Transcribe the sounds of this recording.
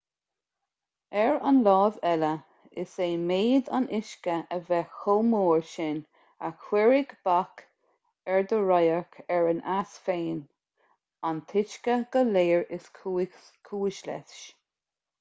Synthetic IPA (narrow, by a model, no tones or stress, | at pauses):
ɛɹanlɑːvɛlə | ɪ̰seːmeːd̪a̰nɪʃkəʔəvɛxomoːɹʃɪn | a̰kʰwɪɹɪɡb̥ak | ɛɹd̪əɹajəɹkʰɛɹənʔasfeːn | ant̪ʰɪt͡ʃkəɡ̥əleːɹɪskʰː | kʰuːɪʃlɛ̰θʃ